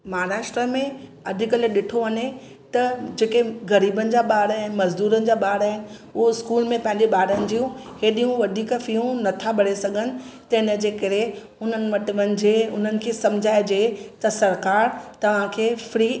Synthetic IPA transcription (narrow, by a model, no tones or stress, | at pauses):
mɐɦaːɾaːʃʈɾəmẽ | ɐd̪ʱɪkəleɗɪʈʰoʋɐɲe | t̪ɐd͡ʑeːkeɣɐɾiːbənɪ̆d͡ʑaːɓaːɽaːɦɪnɪ̆mɐzd̪uːɾənɪ̆d͡ʑaːɓaːɽaːɦɪnɪ̆ʊɦoɪskuːlmẽpɐ̃ɦɪ̃ɲd͡ʑeɓaːɽənɪ̆d͡ʑijũɦeːɗijũʋɐd̪ʱiːkfiũnɐt̪ʰaɓɐɽesɐɡʱənɪ̆t̪ɐɪnə̆d͡ʑeːkɐɾe | ʊn̤ənɪ̆ʋɐʈɪʋɐ̃nɪ̆d͡ʑeʊn̤ənɪ̆kʰeːsɐ̃md͡ʑʱaːed͡ʑeːt̪ɐsɐɾkaːɾt̪ɐʋ̤ãkʰeːfɾiː